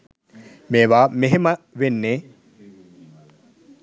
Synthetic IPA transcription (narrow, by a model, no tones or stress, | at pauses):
meːʋaːmeɦemə | ʋenːe